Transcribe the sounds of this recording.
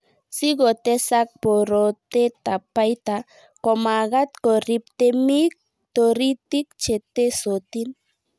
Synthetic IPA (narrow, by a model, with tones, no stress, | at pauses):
si˦ɣo˨t̪e˦sak̚po˨ɾo˨t̪e˦t̪a˨pa˦jt̪a | ko˨ma˨ɣat̪ko˨ɾip̚t̪e˦mik̚ | t̪o˨ɾit̪i˦k̚t͡ʃet̪e˦sot̪in